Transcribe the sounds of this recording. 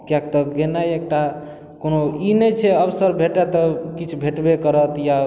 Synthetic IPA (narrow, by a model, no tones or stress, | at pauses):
kjak̚t̪ɔɡenaek̚ʈa | konoinɛt͡ʃʰɛəbsəɾbʱeʈet̪ɔkit͡ʃʰubʱeʈbekəɾət̪ja